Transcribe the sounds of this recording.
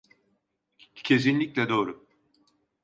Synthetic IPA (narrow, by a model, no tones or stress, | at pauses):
cʰe̞s̬inlʲiclʲɛd̪o̞ːɾu